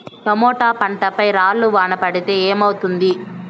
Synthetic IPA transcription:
t̪ɐmɔːʈaːpɐɳʈɐpɐjɾaːɭːuʋaːɳɐpɐɽit̪e̞ːeːmɐwut̪und̪i

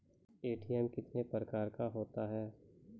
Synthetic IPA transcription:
eːʈiːɛmkɪt̪nepɾəkaːɾkaɦoːt̪aɦɛː

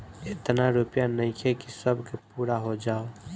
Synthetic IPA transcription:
et̪naɾupjanəɪ̃kʰekisəbʱkepuɾaɦod͡ʒaːo

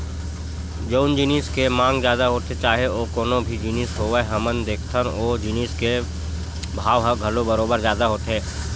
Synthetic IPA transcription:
d͡ʒoːnd͡ʒiːniːskemãːŋɡzjaːd̪aɦoːt̪et͡ʃaːɦeoːkoːnõbʱid͡ʒiːniːsɦoːʋəɦɐmənd̪eːkʰt̪ʰənoːd͡ʒiniːske | bʱaːʋɦəɡʱɐlobəɾoːbəɾzjaːd̪aɦoːt̪ɦẽː

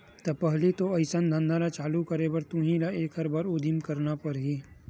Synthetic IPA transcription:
t̪ɐpɐɦlit̪oɐɪsənd̪ʱɐ̃nd̪ʱalat͡ʃaːlukɐɾebɐɾt̪ũɦĩlaeːkɦɐɾbaːɾʊd̪imkɐɾnapɐɾɦi

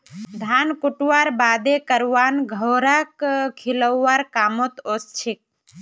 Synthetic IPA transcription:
d̪ʱaːnkʊʈuwaɾbaːd̪ekəɾaːnɡʱəɾakkʰiləwːaɾkaːmot̪ost͡ʃʰik̚

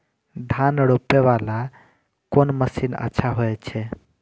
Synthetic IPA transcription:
d̪ʱanɽopːeʋala | konməsinə̰tːʃʰaɦoɛt͡ʃʰɛ

